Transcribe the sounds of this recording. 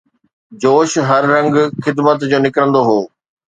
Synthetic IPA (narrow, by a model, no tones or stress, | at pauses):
d͡ʑoːʃɦɐɾːɐ̃ŋɡxɪd̪mət̪d͡ʑoːnɪkɾə̃nd̪oɦoː